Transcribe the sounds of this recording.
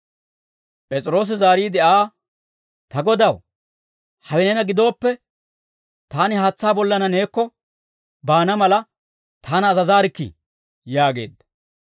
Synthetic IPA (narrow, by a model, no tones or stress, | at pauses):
pʼɛt͡sʼɾo̞ːs̬ɪzaːɾiːd̪ɛʔaː | t̪ɐɡɔd̪ɐw | hɐwɛnɛnɐɡɪd̪o̞ːpːɛ | t̪aːnɪhaːt͡sːaːbɔlːɐnɐne̞ːkːɔ | baːnɐmɐlɐ | t̪ʰaːnɐːzɐzaːɾɪkːɪ̰ | jaːɡe̞̰ːd̪ɐ̥